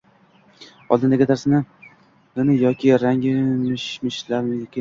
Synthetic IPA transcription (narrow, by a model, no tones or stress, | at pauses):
ɒ̰lˠd̪ɪnd̪aɡʲɪt̪ʰaɾsɪnɪ | ɪnɪjɒkʲʰɪɾaŋʲɪmɪʃmɪʃlaɾɪkʰʲɪ